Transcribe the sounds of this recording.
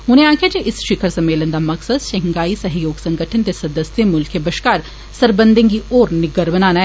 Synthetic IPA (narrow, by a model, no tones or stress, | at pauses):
ɦʊnẽaːkʰijad͡ʒeʔɪsʃɪkʰəɾsɐmːeːlənd̪amɐksəd̪ʃɐ̃ŋɡaːisɐɦjoːɡsɐ̃ŋɡəʈʰənt̪esɐd̪əsemʊlkʰebɐʃkaːɾ | sɐɾbə̃nd̪ə̃ŋɡioːɾnɪɡəɾʋənaːnaɦ